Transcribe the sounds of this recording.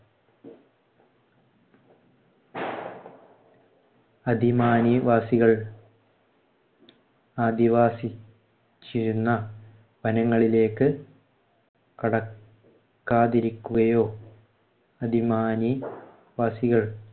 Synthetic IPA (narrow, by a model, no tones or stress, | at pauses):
ɐd̪ʱimaːniʋaːsiɣɐɭ | aːd̪iʋaːsi | t͡ɕːiɾunːɐ | bʱɐnɐŋːɐɭile̞ːkːɨ | kɐɽɐ | kːaːðiɾikʲːuɣɐjo̞ː | ɐd̪ʱimaːni | ʋaːsiɣɐɭ